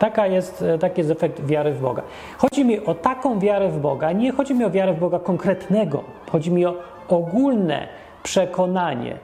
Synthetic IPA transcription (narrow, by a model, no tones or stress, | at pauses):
t̪akajɛst̪t̪akʲijɛst̪ɛfɛk̚t̪vʲjaɾɘvbɔ̰ɡa̰ | xɔd͡ʑimʲiʔɔt̪akɔ̃w̃vʲjaɾɛvbɔɡaɲɛxɔd͡ʑimʲiɔvʲjaɾɛvbɔɡakɔŋkɾɛt̪nɛɡɔ̰ | xɔd͡ʑimʲiɔ | ɔɡulnɛ̰ | pʂɛkɔnaɲɛ̰